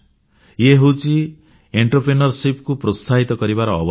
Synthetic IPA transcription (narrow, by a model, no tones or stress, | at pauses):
jeɦut͡si | eɳʈʌrprenʌrsipkuprɔst̪ʰaɦit̪ʌɡʌɾibaɾɔːbʌ